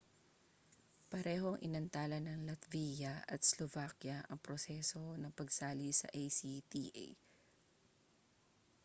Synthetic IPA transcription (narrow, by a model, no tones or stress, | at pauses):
pɐɾɛːɦo̞ɐŋʔɪnɐnt̪aːlɐnɐŋlɐt̪viːjɐɐ̰t̪̚slovaːkjɐʔɐŋpɾosɛso̞nɐŋpɐɡsaːlisɐ̰ʔejsit̪ḭːʔḛj